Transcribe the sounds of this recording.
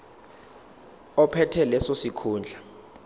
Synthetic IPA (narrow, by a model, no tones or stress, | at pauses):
ɔpʰɛtʰɛlɛsosikʰuːnd͡ɮʱa